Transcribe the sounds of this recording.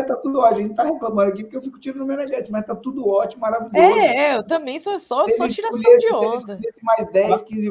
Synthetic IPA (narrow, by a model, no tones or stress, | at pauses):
t̪at̪ud̪ɔʒẽt͡ʃɪt̪aheklãmɐ̃d̪ɐakipʊɾkewfikʊ̥t͡ʃiɾʊd̪ʊmened͡ʒɛt͡ʃɪmɐzt̪at̪ud̪ʊɔt͡ʃimʊmaɾaviʎoɛzɛewt̪ɐ̃mbẽj̃sosɔeɔ̃t͡ʃiɾausliɐsd͡ʒɪsõisdk̪ɐuiɐsẽmajzd̪ɛskĩzɪ